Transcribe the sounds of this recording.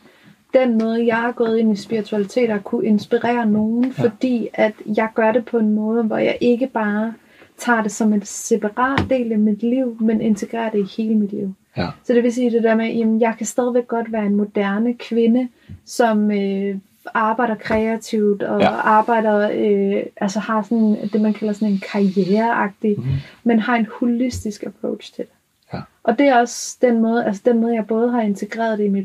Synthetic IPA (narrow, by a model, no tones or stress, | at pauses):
d̥enmɔ̽ːð̞ˠəjɑ̈ɪhɑ̈ɡ̥ɔ̰̽ːð̩ˠe̝n̰isb̥iʁit͡sʰuælit͡sʰe̝̰ːɾɐkʰuʔe̝nsb̥iʁɛ̰ːɐno̝ːn̩fɒ̽d̥ḭːæd̥jɑ̈ɪɡ̥ɶɐɾe̝pʰɒ̽e̝nmɔ̽ːð̞̩ˠəʋɒjɑ̰ɪʔe̝ɡ̥əb̥ɑ̈ː | t͡sʰɑ̰̈ːd̥e̝sɒ̽me̝d̥se̝pʰɑ̈ʁɑ̰̈ːd̥ːe̝̰ːlæmid̥liʊ̰mene̝nt͡sʰe̝ɡ̥ʁɛ̰ːɐd̥e̝ihe̝ːləmid̥lḭʊ | sɒ̽d̥e̝ʋe̝s̬iːd̥e̝d̥æɐ̰mejʔæmənjɑ̈ɪkʰæsd̥ɛð̞ˠiʋeɡ̥̚ːɒ̽d̥ʋæːɐe̝nmo̝d̥æɐnəkʰʋe̝nə | sɒ̽mø | ɑ̈ːb̥ɑ̈ɪ̰dɐkʰʁɛæt͡sʰiʊ̰d̥ɒ̽ɑ̈ːb̥ɑ̈ɪ̰dɐøʔælsəhɑ̈sɒ̽nd̥e̝mænkʰæl̰ɐsɒ̽ne̝nkʰɑ̈ieːɐʔɑ̈ɡ̥̚d̥imenhɑ̈e̝nhulisd̥isɡ̥æpʰʁɔʊ̥ɕt͡sʰe̝d̥e | ʔɒ̽d̥e̝æɒ̽sd̥enmɔːð̩ˠæls̬əd̥enmɔ̽ːð̞̩ˠjɑ̈ɪb̥ɔ̽ːð̞ˠɦɑ̈e̝nt͡sʰe̝ɡ̥ʁɛ̰ːɐð̞ˠd̥eimid̥